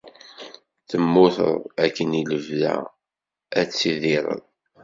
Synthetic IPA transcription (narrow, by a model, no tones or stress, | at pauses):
θəmːʊθə̰ðˤækːəniləvðæ̰ | æt͡sːiðɪɾˤə̰ðˤ